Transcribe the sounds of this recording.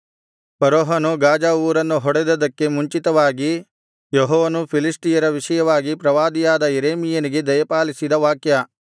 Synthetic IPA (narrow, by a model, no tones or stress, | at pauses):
pɐɾoːɦanuɡaːd͡ʒaːuːɾɐnːuɦɔɽed̪ɐd̪ɐkːe̞muɲt͡ʃit̪ɐʋaːɡi | jɔɦɔːʋɐnupʰilisʈijɐɾɐʋiʂɐjɐʋaːɡipɾɐʋaːd̪ijaːd̪ɐeɾeːmijɐniɡe̞d̪ɐjɐpaːlisid̪ɐʋaːkjɐ